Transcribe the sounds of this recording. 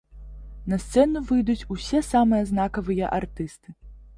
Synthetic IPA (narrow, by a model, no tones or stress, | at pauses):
nɐst̪sɛnuvɨjd̪ut͡sʲusʲɛsamɨjɐznakɐvɨjɐʔart̪ɨst̪ɨ